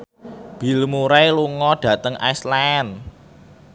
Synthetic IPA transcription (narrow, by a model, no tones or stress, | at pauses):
b̥i̤lmuɾajluŋɔɖ̥ä̤t̪əŋa̰jslaɛn